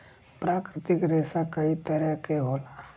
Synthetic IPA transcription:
pɾaːkɾɪt̪ɪkɾeːsakɐit̪ɐɾakeɦoːlaː

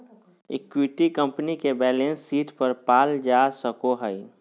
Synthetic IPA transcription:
ɪ̰kwiʈikə̃mpnikebɛːlẽnsːiːʈpəɾpaːld͡ʒasəkoɦəi

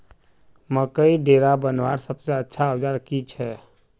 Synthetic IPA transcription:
məkəiɖeɾabənʋaɾsəbseətːʃʰaəd͡ʒaɾkit͡ʃʰɛ

